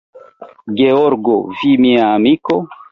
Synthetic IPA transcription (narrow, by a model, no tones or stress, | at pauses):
ɡeoɾɡovimiaːmiko